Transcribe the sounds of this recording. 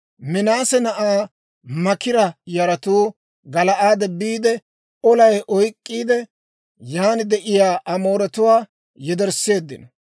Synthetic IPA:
mɪnaːsɛnɐʔaː | mɐkɪɾɐjɐɾɐt̪uː | ɡɐlɐʔaːd̪ɛbːiːd̪ɛ | ɔlɐjʔɔjkʼːiːd̪ɛ | jaːnɪd̪ɛʔɪjaːʔɐmo̞ːɾɛt̪ʊwaː | jɛd̪ɛɾsːe̞ːd̪ːɪ̰nɐ

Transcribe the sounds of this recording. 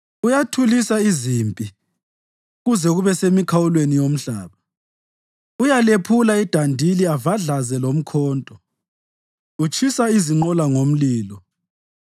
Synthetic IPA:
ujatʰulisaizimpʼi | ɣuzɛɣuβɛsemikʰawulwenijom̩ɬaːβa | ujalepʰulaid̥ʱandʱiliavaɮazɛlom̩kʰɔːntʼɔ | ut͡ʃʰʼisaiziŋ͡ǃɔlaŋom̩liːlɔ

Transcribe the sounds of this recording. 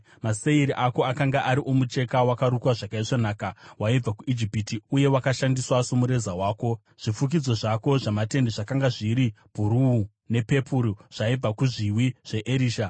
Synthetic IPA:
maseiɾiʔako̞akaŋɡaʔaɾiʔomut͡ʃe̞kawakaɾukwaʐakaiʂonaːkawaib͡vakuid͡ʒipitiuje̞wakaʃandiswaso̞muɾe̞zawaːko̞ | ʐ̥ifuk̬id͡zo̞ʐako̞ʐamate̞ndeʐakaŋɡaʐiɾi | b̥ʱuɾuu | ne̞pe̞pʰuɾuʐ̥aib͡vakuʐiwiʐ̥e̞ʔeɾiːʃa

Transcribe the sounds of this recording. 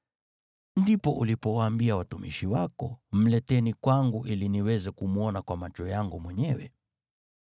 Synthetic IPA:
ndipɔʔulipɔwaːmbiawatumḭʃiwakɔm̩lɛtɛnikwaŋɡuʔiliniwɛzɛkumuɔnakwamat͡ʃɔjaŋɡumwɛɲɛwɛ

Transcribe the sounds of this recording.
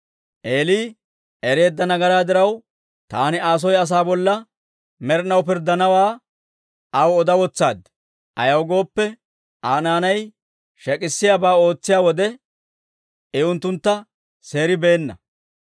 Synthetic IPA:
ʔeːliː | ɛɾe̞ːd̪ːɐnɐɡɐɾaːd̪ɪɾɐw | t̪aːnɪaːs̬ɔjɐs̬aːbɔlːɐ | mɛɾnɐwpɪɾd̪ɐnɐwaː | ɐwɔd̪ɐwɔt͡sːaːd̪ | ʔɐjɐwɡo̞ːpːɛ | aːnaːnɐj | ʃɛkʼɪsːɪjaːbaːo̞ːt͡sːɪjaːwɔd̪ɛ | ɛʊnt̪ːʊnt̪ːɐ | se̞ːɾɪbe̞ːnːɐ

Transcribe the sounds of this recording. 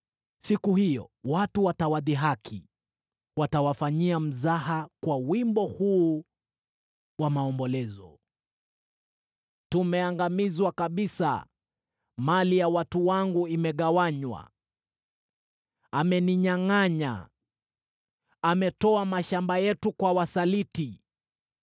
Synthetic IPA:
sikuhijɔ̰watuwatawaðiɦakʰi | watawafaɲiam̩zahakwawimbɔhuː | wamaɔmbɔlɛzɔ̰ | tumɛaŋɡamizwakaɓisa̰ | malijawatuwaŋɡuimɛɠawaɲwa̰ | amɛniɲaŋaɲa̰ | amɛtɔamaʃambajɛtukwawasaliti

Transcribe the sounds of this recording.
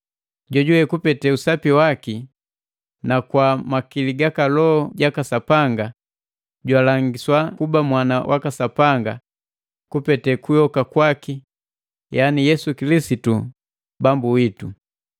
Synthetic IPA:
ɟɔɟuwɛkupɛtɛusapiwaki | nakwamakiliɡakalɔɔɟakasapaŋɡa | ɟwalaŋɡiswakubamwana̰wʔakasapaŋɡa | kupɛtɛkujɔkakwaki | janijɛsukilisitu | bambuwitu

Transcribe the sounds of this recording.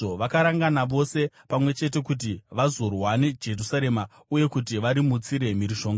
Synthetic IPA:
oʋakaɾaŋɡanaʋo̞se̞ | pamwe̞t͡ʃe̞t̬e̞kut̬iʋazo̞rwane̞d͡ʒe̞rusaɾe̞ma | uje̞kut̬iʋaɾimut͡siɾe̞miɾiʃo̞ːŋɡa

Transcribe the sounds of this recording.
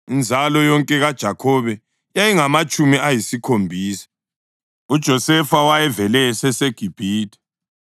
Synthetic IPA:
ind͡zʱalɔjɔŋkʼɛɣad̥ʒ̥ʱakʰɔβɛ | jajiŋamat͡ʃʼumiʔajisikʰombʱiːsḁ | ud̥ʒ̥ʱɔsɛfawajɛvɛlɛsɛseɡ̥ʱib̥ʱiːtʰʼɛ̥

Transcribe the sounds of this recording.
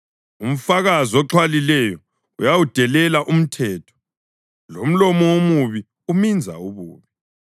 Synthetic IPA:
um̩faɣaziɔǁʰwalilɛjɔ | ujawud̥ʱɛlɛlaʔum̩tʰɛːtʰɔ̥ | lom̩lɔmɔwomuβi | umind͡zʱa̰uβṵːβi

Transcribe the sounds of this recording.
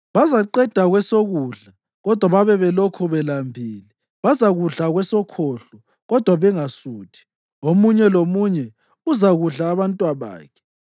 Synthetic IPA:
βazaǃɛd̥ʱaɣwɛsoɣuːɮa | ɣɔd̥ʱwaβaβɛβɛlokʰuβɛlambʱiːli | βazaɣuɮaɣwɛsɔkʰoɬɔ | ɣɔd̥ʱwaβɛŋasuːtʰi̥ | omuɲɛlomuɲɛ | uzaɣuɮaːβantʼwaβa̰ːkʰɛ̥

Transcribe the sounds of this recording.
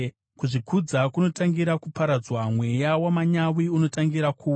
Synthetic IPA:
kuʐikʰud͡zakuno̞taŋɡiɾakupaɾad͡zwamwe̞jawamaɲawiuno̞taŋɡiɾakʰuː

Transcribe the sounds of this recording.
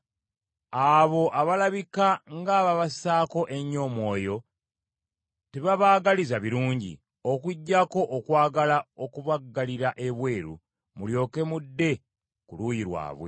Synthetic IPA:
aβo̞ʔaβalaβikaŋɡaβaβasaːko̞ʔe̞ɲːo̞ːmwo̞ːjo̞ | teβaβaːɡalizaβiɾuːɲɟḭ | o̞kuɟːako̞ʔːkwaːɡalao̞kuβaɡːaliɾaʔe̞βwe̞ːɾṵ | muljo̞ːke̞mudːe̞ | kulujiɾwa̰ːβwḛ

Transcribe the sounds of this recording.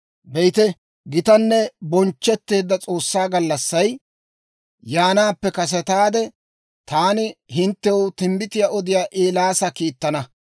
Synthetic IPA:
bɛjt̪ɛ | ɡɪt̪ɐnːɛbɔnt͡ʃːɛt̪ːe̞ːd̪ːɐt͡sʼo̞ːsːaːɡɐlːɐsːɐj | jaːnaːpːɛkɐs̬ɛt̪aːd̪ɛ | t̪aːnɪhɪnt̪ːɛwʊt̪ɪmbɪt̪ɪjaʔɔd̪ɪjaːʔeːlaːsɐkiːt̪ːɐnɐ

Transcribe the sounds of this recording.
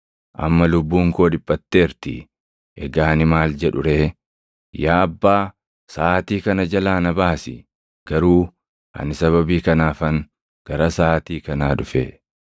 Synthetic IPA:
ʔɐ̰mːɐlʊbːuːŋkoːᶑɪpʼːɐt̪ːeːɾt̪ɪ̰ | ʔɛɡaːnɪmaːld͡ʒɛᶑʊɾeː | jaːɐbːaː | saːt̪iːkɐnɐd͡ʒɐlaːnɐbaːsɪ̰ | ɡ̥ɐɾuː | ʔɐ̰nɪsɐβɐbiːkɐnaːfɐŋ | ɡ̥ɐɾɐsaːt̪iːkɐnaːᶑʊfe

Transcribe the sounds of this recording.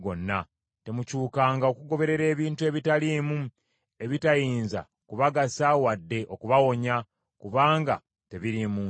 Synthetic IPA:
ɡo̞nːa | te̞mucuːkaːŋɡao̞kuɡo̞βe̞ɾe̞ɾe̞ːβiːntue̞βitalimu | e̞βitajiːnza̰ | kuβaɡasawadːe̞ʔo̞kuβawo̞ɲa | kuβaːŋɡa̰ | te̞βiɾimuː

